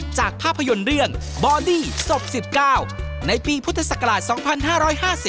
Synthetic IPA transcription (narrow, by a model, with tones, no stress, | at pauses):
t͡ɕaː˨˩k̚pʰaː˥˩pʰːjo˧nɾɯ˥˩əŋ | bɔː˧diː˥˩so˨˩p̚si˨˩p̚kaː˥˩w | na˧jpiː˧pʰu˥t̪ʰːa˧sa˨˩kːa˧ɾaː˨˩t̪̚sɔː˩˦ŋpʰa˧nɦaː˥˩ɾɔː˦˥jɦaː˥˩si˨˩